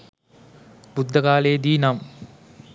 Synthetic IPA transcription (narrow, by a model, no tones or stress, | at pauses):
bud̪ʱːɐkaːleːd̪iːnam